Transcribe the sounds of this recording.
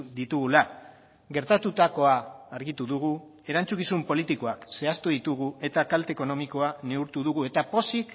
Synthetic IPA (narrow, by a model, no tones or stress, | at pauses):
d̪it̪uɣula | ɣe̞ɾt̪at̪ut̪ako̞aːɾɣit̪uðuɣ̞ue̞ɾant͡sukisumpo̞lit̪iko̞akse̞ast̪uðit̪uɣ̞ue̞t̪akalt̪eko̞no̞miko̞ane̞uɾt̪uðuɣue̞t̪apo̞sik